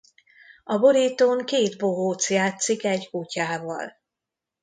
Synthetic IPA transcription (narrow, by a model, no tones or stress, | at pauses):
ɒboɾit̪oŋkeːt̪boɦoːt̪sjaːt̪sikɛɟkucaːvɒ̰l